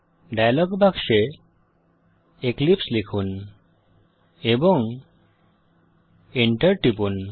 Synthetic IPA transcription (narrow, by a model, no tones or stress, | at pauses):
ɖajlɔɡbʱakʃe | eklipslekʰun | ebɔŋ | iɳʈəɾʈipun